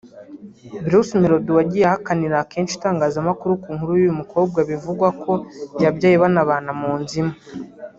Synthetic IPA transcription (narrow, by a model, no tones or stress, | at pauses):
biɾusmeɾoduwaɟijahakaniɾake̞ːnʃitaːŋɡaːzamakuɾukuːŋhuɾujujumuko̞ːb̚ɡaβivuɡwakʰo̞jabɟaːjiβanaβaːnamuːnzima